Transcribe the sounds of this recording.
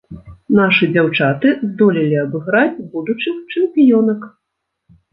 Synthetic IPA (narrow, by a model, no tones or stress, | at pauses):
naʂɨd͡zʲawt͡ʂat̪ɨzd̪ɔlʲilʲiɐbɨɣɾad͡zʲbud̪ut͡ʂɨxt͡ʂɨmʲpʲijɔnɐk